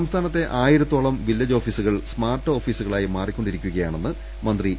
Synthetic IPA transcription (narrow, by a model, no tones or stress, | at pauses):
ɐmst̪ʰaːnɐt̪ːe̞ʔaːjiɾɐt̪ːoːɭɐmʋilːɐd͡ʑo̞ːfiːsuɣɐɭsmaːrʈːo̞ːfiːsuɣɐɭaːjimaːrikʲːo̞ɳɖiɾikʲːuɣɐjaːɳe̞nːɨ | mɐnd̪ri